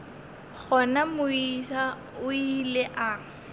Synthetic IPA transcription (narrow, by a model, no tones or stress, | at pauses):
k͡xʰɔnamʊiʃa | ʊilɛʔa